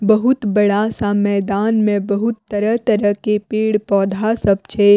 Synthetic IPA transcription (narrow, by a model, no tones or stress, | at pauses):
bəɦʊt̪bɐɽasamɛːd̪aːnmẽbɐɦʊt̪ːəɾəɦt̪əɾəɦkepiːɽpɔːd̪ʱasəb̚t͡ʃʰeː